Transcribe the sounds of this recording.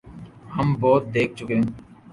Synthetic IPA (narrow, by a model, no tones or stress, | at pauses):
həmbɔːt̪̚d̪eːk̚ʰt͡ʃʊkeɦẽ